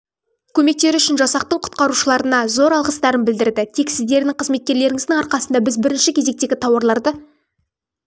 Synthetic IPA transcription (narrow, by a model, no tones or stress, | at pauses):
kʲʰɵme̞k̚t̪e̞ɾʏʃɪnʒɑsɑq̚t̪əwqʰʊ̥t̪qɑɾuʃəlˠɑɾənɑzo̞ɾɑlˠʁəst̪ɑɾənbɪld̪ɪɾd̪ɪt̪ʰe̞ksɪzd̪e̞ɾnɪŋqʰəzme̞t̪kʲe̞ɾle̞ɾɪŋɪzd̪ɪŋɑɾqɑsənd̪ɑbɪzbɪɾɪnʃɪkʲʰe̞ze̞k̚t̪e̞ɡʲɪt̪ʰɑwɑɾlˠɑɾd̪ə